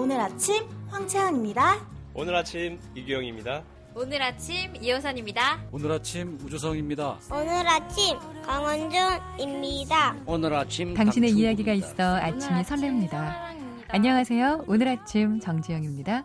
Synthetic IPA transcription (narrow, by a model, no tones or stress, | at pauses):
onɯɾat͡ɕʰimɸwaŋt͡ɕʰejʌŋimɲidao̰nɯɾat͡ɕʰim | iɡujʌŋimɲida | onɯɾat͡ɕʰimijʌsʰʌɲimɲidaonɯɾat͡ɕʰimud͡ʑos̬ʰʌŋimɲidaonɯɾat͡ɕʰim | kaŋwʌnd͡ʑoŋ | imɲidaonɯɾat͡ɕʰimtaŋɕʰine̞ijaɡiɡais͈ʌat͡ɕt͡ɕʰimisʰʌɭːemɲida | aɲːʌŋasʰe̞joonɯɾat͡ɕʰimt͡ɕʌŋd͡ʑijʌŋimɲida